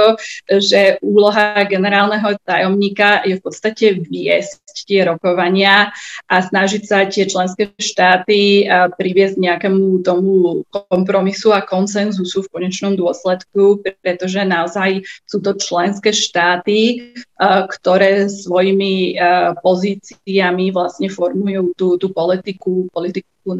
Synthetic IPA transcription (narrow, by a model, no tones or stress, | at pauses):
ɔʒɛʔuːlɔɦaɡɛnɛɾaːlnɛɦɔt̪ajɔmɲiːkajɛfpɔt̪st̪acɛʋɪɛ̰sct̪ɪɛɾɔkɔʋaɲɪaʔasnaʒicsat̪ɪɛt͡ʃlɛnskɛːʃt̪aːt̪ipɾiʋɪɛzɟɲɛakɛmut̪ɔmukɔmpɾɔmisuakɔnsɛnzusufkɔɲɛt͡ʃnɔmd̪ʊɔslɛt̪kupɾɛt̪ɔʒɛnaɔzajsuːt̪ɔt͡ʃlɛnskɛːʃt̪aːt̪i | kt̪ɔɾɛːsʋɔjimipɔziːt͡siamiʋlasɲɛfɔɾmujuːt̪uːt̪upɔlit̪ikupɔlit̪iku